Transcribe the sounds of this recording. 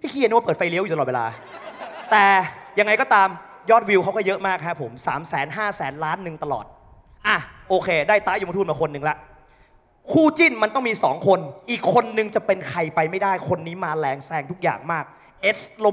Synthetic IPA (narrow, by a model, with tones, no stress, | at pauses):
t̪ʰi˥˩kʰiː˧˨ni˦˥wa˥˩pɤː˨˩fa˧jli˦˥wju˨˩aː˧˨˩we˧la̰ː˧ | t̪ɛː˨˩ja˧ŋːa˧jkɔː˥˩t̪aː˧mjɔː˥˩t̪̚wi˧wkʰa˦˥wkɔː˥˩jɤ˦˥ʔmaː˥˩k̚ʰa˦˥ʔpʰo˩˦msa̰ː˩˦msɛ̰ː˩˦nɦaː˥˩sɛː˩˦nlaː˦˥nːɯ˨˧ŋt̪a˧lɔ̰ː˨˩t̪̚ | ʔa˧˩ʔoː˧kʰeː˧daː˥˩jt̪a˦˥ʔju˧t̪u˥˩˨nmaː˩kʰo˧nːɯ˨ŋlɛ˦˥ʔ | kʰuː˥˩t͡ɕi˥˩nma˧nt̪ɔ˥˩miː˧sɔ̰ː˩˦ŋkʰo˧nʔiː˨˩kʰːo˧nːɯ˧ŋt͡ɕa˨˩pe˧nkʰa˧jpa˧jma˥˩jdaː˥˩jkʰo˧nːiː˦˥maː˧lɛː˧ŋsɛː˧ŋt̪ʰu˦˥k̚ja̰ː˨˩ŋmaː˥˩k̚ | ʔe˦˥slo˧